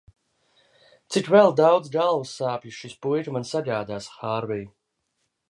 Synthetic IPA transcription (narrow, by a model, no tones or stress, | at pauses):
t̪sikvɛlˠd̪awd̪zɡalˠvsːaːpʲjiʃispujɾmansaɡaːd̪aːsxaːɾvij